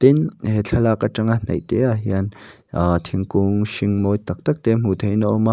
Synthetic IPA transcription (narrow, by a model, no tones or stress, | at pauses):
t̪ɛnhet͡ɬʰalakat͡ʃaŋan̥ḛʔt̪eaɦjan | at̪ʰiŋkuŋʃiŋmojt̪ɐk̚t̪ɐk̚t̪em̥ut̪ʰejnɔʔma